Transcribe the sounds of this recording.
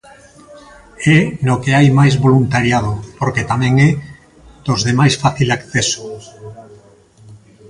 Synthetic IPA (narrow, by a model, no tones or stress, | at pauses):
ɛnokeajmajzβolunt̪aɾjað̞opoɾket̪amɛ̃ŋɛ | d̪̥ozðemajsfaθilakθeso̥